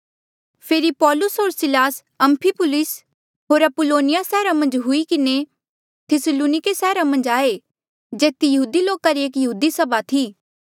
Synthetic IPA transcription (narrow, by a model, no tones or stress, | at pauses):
pʰeːɾipɔːlʊsɦoːɾsɪlaːs | ɐ̃mpʰipʊlɪs | ɦoːɾɐpʊloːnɪjasɛːɾamɐ̃nd͡ʒɦʊikɪne | t̪ʰɪsəluːnɪkesɛːɾamɐ̃nd͡ʒaːe | d͡ʒeːt̪ijɐɦuːd̪iloːkaɾieːkjɐɦuːd̪isɐbat̪ʰiː